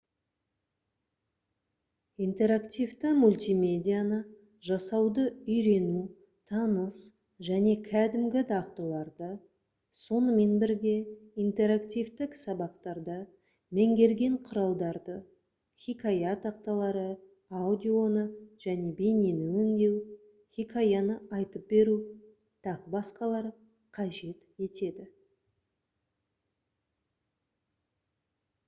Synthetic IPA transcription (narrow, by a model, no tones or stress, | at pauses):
ijnt̪e̞ɾakt̪ʲijvt̪ɪmulʲt̪ʲijmʲe̞dʲijanə | ʒɑsɑwd̪əʏjɾe̞nu | t̪ʰɑnəs | ʒæne̞kʲʰæd̪ɪmɡʲɪd̪ɑqt̪əlˠɑɾd̪ə | so̞nəme̞nbɪɾɡʲe̞ijnt̪e̞ɾakt̪ijvt̪ɪksɑbɑqt̪ɑɾd̪ə | meŋɡʲe̞ɾɡʲe̞ɴqʰʊɾɑlˠd̪ɑɾd̪ə | χʲikajat̪ʰɑq̚t̪ɑlˠɑɾə | ad̪ʲio̞nəʒ̥æne̞beninɪwʏŋd̪e̞w | χʲikʰajanəɑjt̪əp̚be̞ɾu | t̪ʰɑʁbɑsqɑlˠɑɾ | qʰɑʒe̞t̪e̞t̪e̞d̪ɪ